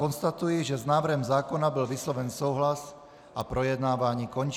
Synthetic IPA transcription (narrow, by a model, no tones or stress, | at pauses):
ɔnst̪at̪ujiʒɛznaːʋr̩ɦɛmzaːkɔnabilʋislɔʋɛnsuʊɦlas | ʔapɾɔjɛd̪naːʋaɲiːkɔɲt͡ʃ